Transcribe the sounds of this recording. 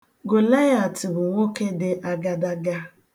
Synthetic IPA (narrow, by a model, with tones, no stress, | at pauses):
ɡo˨la˦ja˨tɪ˨bʊ˨ŋʷo˦ke˦dɪ˨ʔa˦ɡa˦da˦ɡa˦